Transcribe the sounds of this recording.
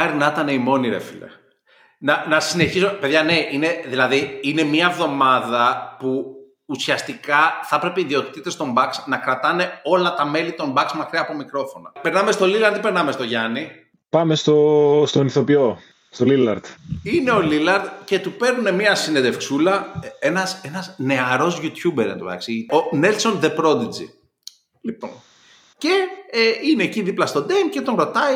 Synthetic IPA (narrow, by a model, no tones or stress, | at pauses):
ɐɾinɐt̪ɐne̞imo̞niɾḛfḭlḛ | nɐnɐsine̞çisumepe̞ðʝɐne̞ʔine̞ðilɐðiine̞mɲɐevðo̞mɐðɐpuː | siɐst̪ikɐθɐpɾe̞peiðio̞t̪it̪it̪ːe̞st̪o̞mbɐksnɐkɾɐt̪ɐne̞o̞lɐt̪ɐme̞lit̪o̞mbɐksmɐkɾiɐːpo̞mikɾo̞fo̞nɐpe̞ɾnɐme̞st̪o̞lilɐɾt̪ipe̞ɾnɐme̞st̪o̞ʝɐni | pɐmest̪ost̪oniθo̞pio | st̪olilɐɾt̪ine̞o̞lilɐɾt̪ce̞t̪upe̞ɾnune̞miɐsined̪e̞fksulɐe̞nɐse̞nɐzne̞ɐɾo̞zʝut̪çubeɾɐnt̪opɐ̰ksionelso̞nðe̞pɾo̞d̪id͡zḭ | lipo̞̰n | ce̞ineːciðiplɐst̪o̞d̪emce̞t̪onɾo̞t̪ɐi